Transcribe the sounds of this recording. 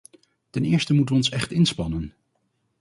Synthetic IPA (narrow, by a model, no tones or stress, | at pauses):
tɛnɪːɹstəmutəʋəɔnsɛχtɪnspɑnən